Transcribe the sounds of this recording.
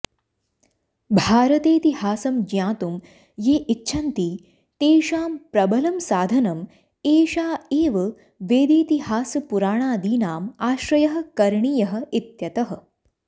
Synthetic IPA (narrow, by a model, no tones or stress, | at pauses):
bʱaːɾɐt̪eːt̪ihaːsɐmd͡ʒjãːt̪um | jeːʔitːʰɐnt̪iː | t̪eːʃaːmpɾɐbɐlɐmsaːd̪ʱɐnɐm | eːʃaːeːʋɐ | ʋeːd̪eːt̪iɦaːsɐpuɾaːɳ̃aːd̪iːnaːmaːʃɾɐjɐɦɐ̆kɐɾɳijɐɦɐ̆it̪jɐt̪ɐɦɐ̆